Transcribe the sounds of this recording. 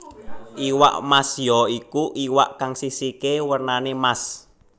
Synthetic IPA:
ʔiwa̰ʔmasjɔikuʔiwa̰ʔkaŋsisikewərnanemas

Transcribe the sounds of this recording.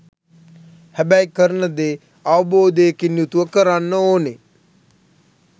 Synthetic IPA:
hæbæjkəɾənəd̪e | aʋəboːd̪eːkinjut̪uʋəkəɾanːəoːne

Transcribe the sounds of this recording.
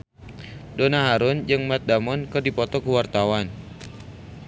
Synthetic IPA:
donaɦaɾʊnd͡ʒɨŋmat̪̚damɔnkɨrdipɔt̪ɔkuwart̪awan

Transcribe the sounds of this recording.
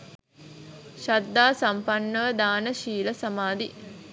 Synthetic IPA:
ʃad̪ːaːsampanːəʋəd̪aːnəʃiːləsamaːd̪i

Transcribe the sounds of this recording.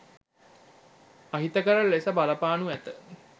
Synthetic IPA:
aɦit̪əkəɾəlːesəbalɐpaːnuæt̪ə

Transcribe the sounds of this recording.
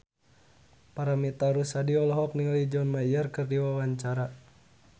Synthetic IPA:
paɾamit̪aɾusadiɔlɔɦɔk̚niŋlid͡ʒɔnmaijərkərdiwawaɲt͡ʃaɾa

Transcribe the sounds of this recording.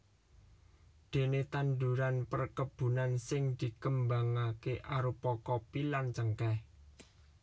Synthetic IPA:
d̪̥e̤net̪and̪uɾanpərkəb̥ṳnansɪŋd̪̥i̤kəmbaŋakeʔaɾupɔkɔpilant͡ʃəŋkɛh

